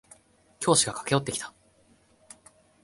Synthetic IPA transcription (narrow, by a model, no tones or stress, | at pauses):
kʲo̞ːɕiɡakḁke̞o̞t̪ːe̞kʲi̥t̪ḁ